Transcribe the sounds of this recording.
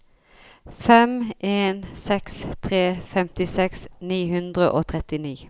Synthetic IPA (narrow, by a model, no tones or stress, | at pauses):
fɛmʔeːnsɛkst̪ʰʁeːfɛmt̪ɪsɛksniːhʉnd̪ʁəʔoːt̪ʰʁɛt̪ɪniː